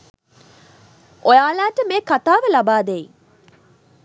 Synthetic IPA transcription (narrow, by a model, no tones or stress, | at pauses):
ʔojaːlaːʈəmeːkat̪aːʋəlɐbaːd̪ei